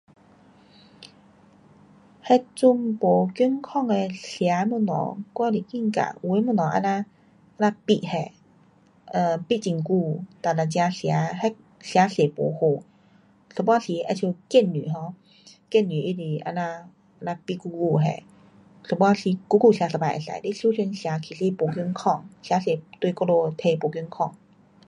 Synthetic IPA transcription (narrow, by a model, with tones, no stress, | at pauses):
hɛ˧t͡su˧mpo˨˦ky˧˦ŋkʰɔ˥˨ŋe˧ɬja˨˧˦mu˧˨nɔ̰˨˧˦kwa˧˨li˨˩ki˧˨ŋka̰˨˩˨we˧˦mu˧˨nɔ˨ʔa̰˧˨na˧ | ʔa˧˨nã˧pi˧ʔhɛ˧˩˨ | ʔə˧˩pi˧˨t͡ɕi˧˨ŋku˧t̪a˨˩na˨˩t͡ɕja˧ɬja˨˦hɛ˧˦ | ɬja˨˦ɬe˨˩po̰˨˩ho˧˩˨ | ɬɔ˧bɔ˧˥˨ɬi˨˦ʔa˧t͡ɕʰu˧ke˧˥˨nːy̰˨˦ɦɔ˧˦ | ke˥˧˩nːi˨ʔi˧˨di˧˨ʔa̰˧na˧ | a˧na˧pi˧ʔku˧ku˧ɦɛ̰˧˩˨ | ɬɔ˧bɔ˧˨ɬi˧˦ku˧˦kuː˧˩si˨˧˦sa˧aː˨jʔa̰˧˨sa̰˨˦di˧˦su˧˦se˧nsi˨a˨˦kʰi˨˦si˧po˨˦kɯ˧˨ŋkʰɔ˧˩ŋsi˧˨a˦se˨˩˦t̪u˧jkɔ˧lo˧t̪ʰe˧po˨kə˧˨ŋkʰɔ˧˩˨ŋ